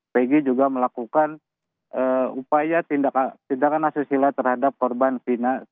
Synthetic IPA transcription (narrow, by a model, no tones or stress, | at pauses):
peɡid͡ʒuɡaməlakukan | əupajat̪indakat̪indakanasisilat̪ərhadap̚kɔrbanfina